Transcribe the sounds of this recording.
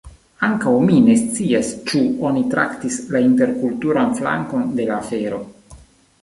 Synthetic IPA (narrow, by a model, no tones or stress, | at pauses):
aŋkawmine̞stt͡siast͡ʃuonit̪ɾa̰kt̪islaint̪e̞ɾkult̪uɾanfla̰ŋko̞nd̪e̞laːfeɾo̞